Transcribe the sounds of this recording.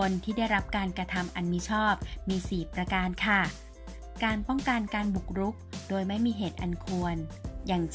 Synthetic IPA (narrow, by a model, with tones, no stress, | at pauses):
o˧nt̪ʰiː˥˩da˥˩jɾa˦˥p̚kaː˧nkɾa˧t̪ʰa˧mʔa˧nmi˦˥t͡ɕʰɔː˥˩p̚miː˧siː˨˩pɾa˧kaː˧nkʰa˥˩ | kaː˧npɔ˥˩ŋka˧nkaː˧nbu˨˩k̚ɾu˦˥k̚doː˧jma˥˩jmiː˧ɦeː˨˩t̪̚ʔa˧nkʰu˧ənjaː˨˩ŋ